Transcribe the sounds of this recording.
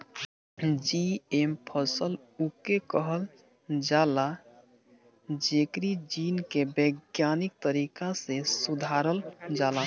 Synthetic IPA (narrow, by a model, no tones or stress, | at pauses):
d͡ʒiempʰəsəl | ukekəɦəl | d͡ʒala | d͡ʒekɾid͡ʒinkebəɡjanik̚t̪əɾikasesud̪ʱaɾəld͡ʒala